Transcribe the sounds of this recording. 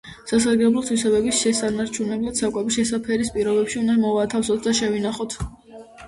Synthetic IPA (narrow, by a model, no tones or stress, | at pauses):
sas̬aɾɡɛblˠɔt̪ʰwisɛbɛbisʃɛsanaɾt͡ʃʰunɛblˠad̪̥sakʼɛbiʃɛsapʰɛɾispʼiɾɔbɛpʃiund̪amɔvat̪ʰafsɔt̪ʰd̪aʃɛvinaχɔt̪ʰ